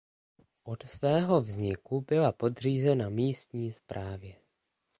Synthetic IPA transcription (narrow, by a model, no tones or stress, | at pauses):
ʔo̞t̪svɛːɦo̞vzɲɪkubɪlapo̞dr̝iːzɛnamiːst̪ɲiːspɾʔaːvjɛ